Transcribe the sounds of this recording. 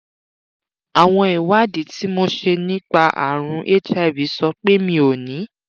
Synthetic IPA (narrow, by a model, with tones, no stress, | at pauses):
a˨w̃ɔ̃˧i˨wa˦di˨˦ti˨˦mo˧ʃe˧nĩ˦k͡pa˧ʔa̰˨ɾ̃ũ˧ʔe˦d͡ʒɛ˦˨bi˨˦sɔ˧k͡pe˦mĩ˧o˨nĩ˨˦